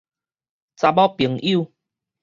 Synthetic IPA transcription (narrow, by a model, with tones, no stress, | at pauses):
t͡sa˧bɔ˦pi˨˩˦ŋʔi˦˥˨